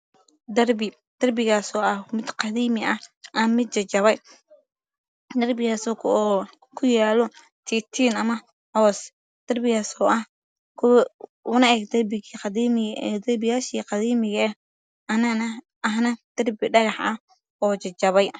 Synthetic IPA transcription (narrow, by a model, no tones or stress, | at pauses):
d̪ɐrbɪ | d̪̥ɐrbɪɣaːsɔːʔɐhmɪd̪qɑðiːmɪʔɐhʔɐmɪd̪̚t͡ʃɐt͡ʃɐβɛj | d̪ɐrbɪɣaːsɔːkʰː | kʰʊjaːlɔ | t̪ʰiːt̪ʰiːnɐmɐ | hɔːs | d̪̥ɐrbɪɣaːsɔːʔɐh | kʰʊʊnɐɛɡd̪ɐrbɪiqɑdiːmɪd̪ɐrbɪjaːʃiːqɑðiːmɪɣɐ | ɐnɐnɐ | ɐɦnɐd̪̥ɐrbɪɖɐɣɑħɐh | ɔːt͡ʃɐt͡ʃɐβɛj